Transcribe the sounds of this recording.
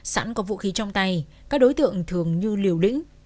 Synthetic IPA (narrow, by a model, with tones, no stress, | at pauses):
sa̰ː˧˥nkɔ˨˦vṵ˧˨xi˨˦t͡ɕɔ˧wŋ͡mt̪a˧j | kaː˦˥k̚ɗo˨˦jt̪ɨ̰˧˨əŋt̪ʰɨ˨˩əŋɲɨ˧li˨˩əwlḭ̈˧˥ŋ̟